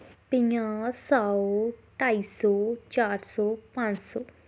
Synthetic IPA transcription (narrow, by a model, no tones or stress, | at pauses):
pɪ̃jãːsaoʈaːiːsɔːt͡ʃaːɾsɔːpãɲsɔː